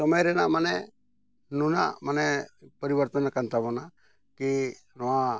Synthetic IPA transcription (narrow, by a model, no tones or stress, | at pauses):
sɔməjɾɛnamanɛ | nuna̰manɛpəɾibəɾt̪ənakant̪abɔna | ki | nɔwa